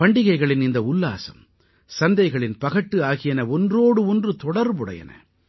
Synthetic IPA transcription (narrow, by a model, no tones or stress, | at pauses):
pɐɳɖɪɣɐɪɣɐɭɪnɪnd̪ɐʊlːa̰ːsɐm | sɐnd̪ɐɪɣɐɭɪnpɐɣɐʈːɯaːɣɪjɐnɐɔndroːɽɯɔndrɯt̪ɔɽɐɾbɯɽɐ̰jɐ̰nʔɐ̰